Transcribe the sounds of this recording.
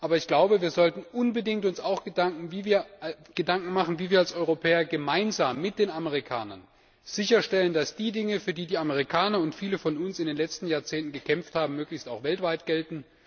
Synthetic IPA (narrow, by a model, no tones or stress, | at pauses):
ʔaːbɐɪçɡ̥laʊbəviːɐzɔltn̩ʔʊnbədɪŋtʊnsaʊxɡ̥ədaŋkŋ̩viːviːɐ | ɡ̥ədaŋkŋ̩maχn̩viːviːɐalsʔɔʏʁopʰɛːɐɡəmaɪnzaːmːɪt̚d̥eːnaməʁikʰa̰ːnɐn | z̥ɪçɐʃtɛləndasd̥iːdɪŋəfyːɐdiːdiːaməʁ̞ikʰaːnɐʊntfiːləfɔnʊnsɪndeːnlɛt͡stn̩jaːɐt͡seːntn̩ɡəkʰɛmfthaːbm̩mːøːklɪçstaʊxv̥ɛltv̥aɪtɡ̥ɛltn̩